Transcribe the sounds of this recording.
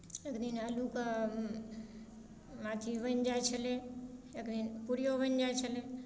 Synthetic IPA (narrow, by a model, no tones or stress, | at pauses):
eːkd̪inəluka | maːt̪ʰiʋənd͡ʒaet͡ʃʰəleekd̪inpuɾjoʋənd͡ʒajt͡ʃʰəle